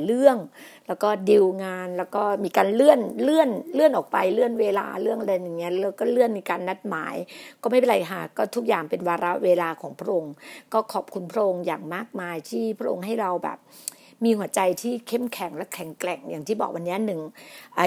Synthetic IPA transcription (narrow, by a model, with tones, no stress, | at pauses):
lɯ˥˩əŋ | lɛː˦˥wkɔː˥˩di˧wŋaː˧nlɛː˦˥wkɔː˥˩miː˧kaː˧nlɯ˥˩ənlɯ˥˩ənlɯ˥˩ənʔɔː˨˩k̚pa˧jlɯ˥˩ənweː˧la̰ː˧lɯ˥˩əŋʔa˧a˧ja˧˩jaː˨˩ŋːi˦˥ɐ˨lɾa˧wkɔː˥˩lɯ˥˩ənmiː˧kaː˧nːa˦˥t̪̚ma̰ː˩˦jkɔː˥˩ma˥˩jpe˨la˧jkʰa˦˥˩kɔː˥˩t̪ʰu˦˥k̚jaː˨˩ŋpe˧nwaː˧ɾa˦˥ʔweː˧laː˧kʰɔː˩˦ŋpʰɾa˦˥ʔo˧ŋkɔː˥˩kʰɔː˨˩p̚kʰu˧npʰɾa˦˥ʔo˧ŋjaː˨˩ŋmaː˥˩k̚maː˧jt̪ʰiː˥˩pʰɾa˦˥ʔo̰˧ŋɦa˥˩jɾa˧wbɛ̰ː˨˩p̚ | miː˧hu˨˩˦ɐt͡ɕa˧jt̪ʰiː˥˩kʰe˥˩mkʰɛ˨˩˦ŋlɛ˦˥wkʰɛ˨˩˦ŋklɛ˨˩ŋjaː˨˩ŋt̪ʰiː˥˩bɔ̰ː˨˩k̚wʔa˧nːi˦˥ɐnɯ˨˩ŋʔaː˨˧˩